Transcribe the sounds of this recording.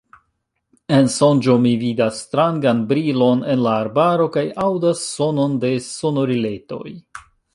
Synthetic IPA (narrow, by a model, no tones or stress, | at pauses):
e̞nso̞nd͡ʒo̞mividasːtɾaŋɡanbɾilo̞ne̞nlaːɾbaɾo̞kajawdasːo̞no̞nde̞so̞no̞ɾile̞to̞̰j